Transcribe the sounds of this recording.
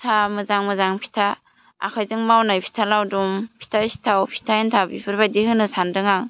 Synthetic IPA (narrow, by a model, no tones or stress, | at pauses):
sʰamɯzaŋmɯzaŋpʰi̥tʰa | a̰kʰajzɯŋmawnajpʰi̥tʰalawdumpʰi̥tʰasi̥tʰawpʰi̥tʰajintʰabipʰɯɾbadihɯnɯsandɯŋaŋ